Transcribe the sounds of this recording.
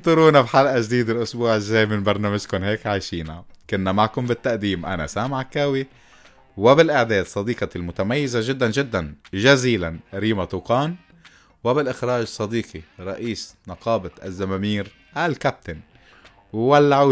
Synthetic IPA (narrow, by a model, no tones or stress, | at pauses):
t̪ˤʊɾuːnafħalʔaʒd̪iːd̪ɪlʔʊsbuːʕɪzːaːmɪnbɑɾˤnaːmaʒkʊnɦeːkʕajʃiːnakʊnːamaʕkʊmbɪt̪ːaʔd̪iːmʔa̰na̰saːmʕakːaːwi | wɪbɪlʔaʕd̪eːd̪sˤːɑd̪iːqɑlmʊt̪amajːɪzaʒɪd̪ːanʒɪd̪ːanʒaziːlanɾiːmat̪ˤuːqɑːn | wɪbɪlʔɪxɾɑːʒsˤːɑd̪iːqiɾˤɑʔiːsnɑqɑːbɪt̪ʔa̰zːamamiːɾ | ʔalkap̚t̪an | wwalːaʕa